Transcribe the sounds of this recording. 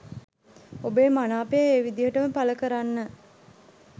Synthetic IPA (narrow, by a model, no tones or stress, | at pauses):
obeːmanaːpejəeːʋid̪ijəʈəməpaləkəɾanːə